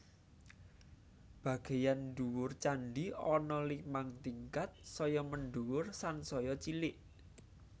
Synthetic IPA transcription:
b̥a̤ɡ̥e̤janɖuwʊrt͡ʃanɖiɔnɔlimaŋt̪iŋkat̪̚sɔjɔmənɖuwʊrsansɔjɔt͡ʃilɪʔ

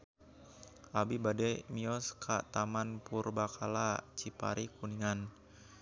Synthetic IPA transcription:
ʔabibadɛmiɔskʰa̰t̪amanpurbakʰalat͡ʃipa̰ɾʔikuniŋan

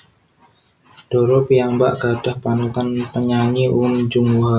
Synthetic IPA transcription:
ɖ̥ɔɾɔpiamba̰ʔɡ̥a̤d̥ahpank̪anpəɲaɲiʔund͡ʒʊŋɦa

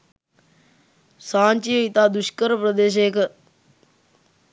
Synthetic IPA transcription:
saːnʲt͡ʃiəit̪aːd̪uʃkəɾpɾɐd̪eːʃ̬eːkə

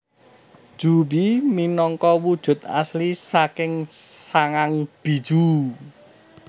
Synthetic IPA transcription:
ʒ̥ubiminɔŋkɔwud̥ʒ̥ʊ̤t̪̚a̰slisakɪŋsaŋaŋb̥i̤d̥ʒ̥u

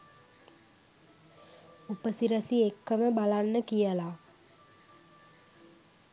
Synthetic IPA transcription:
upəsiɾəsiekːəməbalanːəkijəla

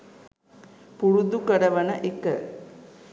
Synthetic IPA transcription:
puɾud̪ukɐɽɐʋɐnɐʔekːə̰

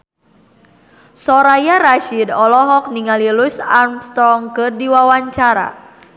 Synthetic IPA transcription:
sɔɾajaɾaʃidɔlɔɦɔk̚niŋalilusarmst̪ɾɔŋkɨrdiwawaɲt͡ʃaɾa̰

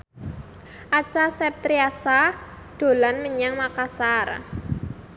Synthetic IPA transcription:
ʔat͡ʃasɛp̚t̪ɾiasa | ɖ̪̥o̤lanməɲaŋmakasar

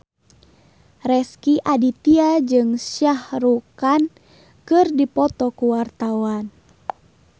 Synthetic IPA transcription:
rɛskiʔadit̪iad͡ʒɨŋsjahɾukan | kɨrdipɔt̪ɔkuwart̪awan

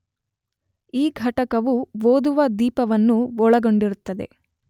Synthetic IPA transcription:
iːɡʱɐʈɐkɐʋuʋoːd̪uʋɐd̪iːpɐʋɐnːuɔɭɐɡo̞ɳɖiɾut̪ːɐd̪e̞̰

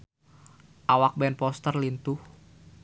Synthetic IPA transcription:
ʔawak̚bɛnpɔst̪ərlint̪uh

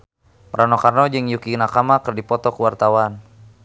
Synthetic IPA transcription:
mɾʔanɔkarnɔd͡ʒɨŋjukinakamakərdipɔt̪ɔkuwart̪awan

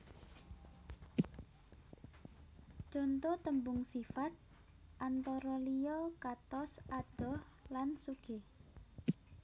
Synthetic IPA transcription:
d͡ʒont̪ot̪əmbʊŋsifat̪̚ | ʔant̪ɔɾɔlijɔkat̪ɔsad̪̥ɔh | lansuɡ̥e

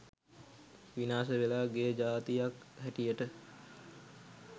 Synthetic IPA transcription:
ʋinaːsəʋelaːɡed͡ʒaːt̪ijakɦæʈijəʈə

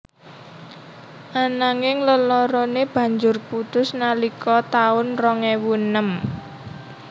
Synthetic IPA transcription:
ʔanaŋɪŋləlɔɾɔneb̥ä̤ɲd͡ʒʊrput̪ʊsnalikʰɔt̪aʊnrɔŋewunəm

